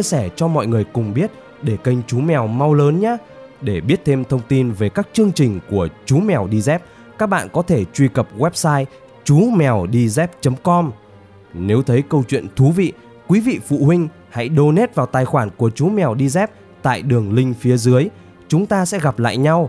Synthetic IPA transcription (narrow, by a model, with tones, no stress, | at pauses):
t͡ɕi˧əsɛː˧˩t͡ɕɔ˧mɔ̰˧˨jŋɨ˨˩əjkʊ˨˩ŋ͡mɓi˦˥ət̚ | ɗe˧˩kə˧jŋ̟t͡ɕu˨˦mɛ˨˩wma˧wləː˨˦nɲaː˨˦ | ɗe˧˩ɓi˦˥ət̚t̪ʰe˧mt̪ʰə˧wŋ͡mt̪i˧nve˨˩kaː˦˥k̚t͡ɕɨ˧əŋt͡ɕï˨˩ŋ̟ku˧˩ət͡ɕu˨˦mɛ˨˩wɗi˧zɛ˦˥p̚ | kaː˦˥k̚ɓa̰ː˧˨nkɔ˨˦t̪ʰe˧˩t͡ɕwi˧kə˨˩p̚ɣwɛ˦˥p̚saː˧j | t͡ɕu˨˦mɛ˨˩wɗi˧zɛ˦˥p̚t͡ɕə˨˦mkɔ˧m | ne˨˦wt̪ʰə˨˦jkə˧wt͡ɕwḭ˧˨ənt̪ʰu˨˦vḭ˧˨ | kwi˨˦vḭ˧˨fṵ˧˨hwï˧ŋ̟ | ha̰˧˥jɗo˧ne˦˥t̚vaː˨˩wt̪aː˨˩jxwaː˧˩nku˧˩ət͡ɕu˨˦mɛ˨˩wɗi˧zɛ˦˥p̚ | t̪a̰ː˧˨jɗɨ˨˩əŋlï˧ŋ̟fi˨˦əzɨ˨˦əj | t͡ɕʊ˨˦ŋ͡mt̪aː˧sɛ̰˧˥ɣa˨˩p̚la̰ː˧˨jɲa˧w